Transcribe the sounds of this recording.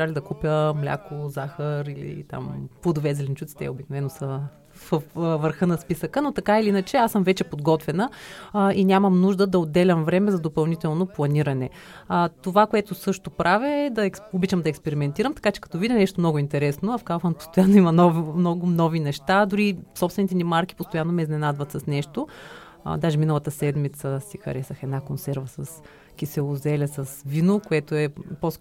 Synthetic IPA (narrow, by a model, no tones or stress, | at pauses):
alʲid̪ɐkupʲjəmlʲa̰kozaxəɾilḭt̪a̰mpod̪ovɛzɛlʲɛnt͡ʃut̪si̥t̪ɛ̰obiknovɛnosə | vəfvəɾxɤnɐspisəkənot̪ɐkailiinət͡ʃɛasəmvɛt͡ʃɛpod̪ɡɔt̪vɛnə | inʲaməmnuʒd̪əd̪ɐod̪ːɛlʲɐmvɾɛmɛzɐd̪opɐlˠnit̪ɛlˠnoplˠɐniɾɐnɛ | ət̪ovakoɛt̪osɤʃt̪opɾavʲəɛd̪ɐɛksobit͡ʃɐmd̪ɐɛkspɛɾimɛnt̪iɾəmt̪ɐ̥kat͡ʃɛ̥kɐ̥t̪ɔvid̪ʲinɛʃt̪omnɔɡʊint̪ɛɾɛsnoɐfkafɐnpo̥st̪ojanːoimɐnɔvnɔɡʊmnɔvinɛʃt̪ad̪ʊɾisɔpst̪vɛnit̪ɛnimaɾkʲi̥post̪ojanːomɛiznɛnad̪vɐt̪sɐsnɛʃt̪oʊ̰ | d̪aʒɛminəlˠɐt̪əsɛd̪mit̪səsixɐ̰ɾɛsəxɛd̪nakonsɛɾvɐsɐs | kʲisɛlˠozɛlʲɐsɐsvinokoɛt̪oɛpos